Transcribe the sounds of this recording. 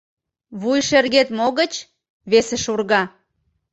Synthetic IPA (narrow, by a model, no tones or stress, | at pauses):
βujʃerɣet̪moɣət͡ɕ | βesĕʃurɣɑ